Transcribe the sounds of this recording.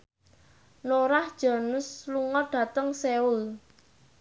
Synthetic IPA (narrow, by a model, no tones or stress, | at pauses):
noɾahd̥ʒ̥ɔ̤nʊsluŋɔɖ̥ä̤t̪əŋseʊl